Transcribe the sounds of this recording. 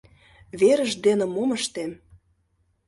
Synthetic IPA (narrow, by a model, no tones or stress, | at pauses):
βeɾə̆ʒd̪enĕmoməʃt̪em